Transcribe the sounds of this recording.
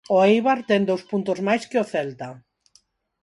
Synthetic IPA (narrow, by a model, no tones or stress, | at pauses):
oejβaɾt̪ɛŋd̪owspunt̪ʊzmajskɪʊθɛlt̪a